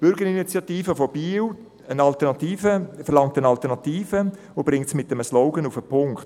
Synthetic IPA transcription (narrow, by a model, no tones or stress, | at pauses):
b̥ʏɾɡəɾinit͡sjɑtiːfəfob̥iːw | ənɑlt̪ɛʁnɑt̪iːfəfɛɾlɑŋk̚tənɑltənɑt̪iːfə | ob̥ɾɪŋtsmɪtːəməslɔʊɡənufəpʰʊŋkt